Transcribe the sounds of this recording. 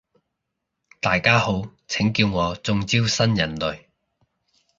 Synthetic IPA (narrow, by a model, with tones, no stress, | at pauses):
t̪aː˨jkaː˥ho˨˥wt͡sʰɪ˨˥ŋkiː˧wŋɔː˨˧t͡sʊ˨˧ŋt͡siː˥wsɐ˥njɐ˨˩nlɵ˨ɥ